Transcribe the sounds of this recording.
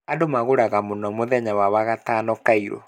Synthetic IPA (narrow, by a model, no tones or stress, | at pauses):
adomaɣoɾaɣamonɔmoðɛɲawawaɣataːnɔkaiɾɔ̰